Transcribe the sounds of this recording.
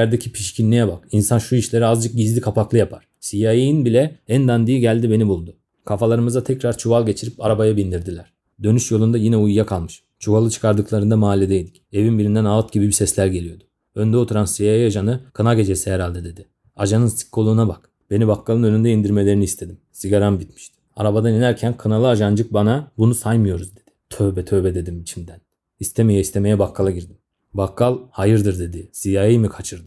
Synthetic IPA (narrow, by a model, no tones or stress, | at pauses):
jæɾd̪ecʰipʰiʃcʰinːijɛbakinsanʃuiʃlʲe̞ɾiazd͡ʒɯk̚ɟizlʲikʰapaklˠɯjapʰaɾ̥sijajijinbilʲɛænd̪and̪ijiɟælʲd̪ibe̞nibulˠd̪ʊ | kʰafalˠaɾɯmɯzat̪ʰɛcɾaɾt͡ʃʰuvalˠɟe̞t͡ʃʰiɾipaɾabajabind̪iɾd̪ilʲæɾ̥ | d̪ø̞nyʃjo̞lˠund̪ajinɛujːakʰalˠmɯʃ | t͡ʃʰuvalˠɯt͡ʃʰɯ̥kʰaɾd̪ɯklˠaɾɯnd̪amaːlʲed̪ejd̪i̥cevinbiɾind̪ænalˠt̪ɟibibisɛslʲæɾɟe̞lʲijo̞d̪ʊ̥ | ø̞nd̪ɛo̞t̪ʰuɾansijajiad͡ʒanɯkʰɯnaɡɟe̞d͡ʒesiɦeɾalʲd̪ɛd̪e̞d̪i | aʒanɯnsi̥kʰːo̞lˠuːnabak | b̥e̞nibakʰːalˠɯnønynd̪ɛind̪iɾme̞lʲe̞ɾiniːst̪ʰe̞d̪imsiɡaɾanbit̪mi̥ʃt̪i̥a̰ɾabad̪aninæɾcʰænkʰɯnalˠɯad͡ʒand͡ʒɯk̚banabunusajmɯjo̞ɾuzd̪e̞d̪̥i̥t̪ʰøbɛt̪ʰøbɛd̪e̞d̪imit͡ʃʰimd̪æn | ist̪ʰɛmejaist̪ʰe̞me̞jɛbakʰːalˠaɟiɾd̪im | bakːalˠhajɯɾd̪ɯɾd̪e̞d̪isijajajmɯkʰat͡ʃʰɯɾd̪ɯ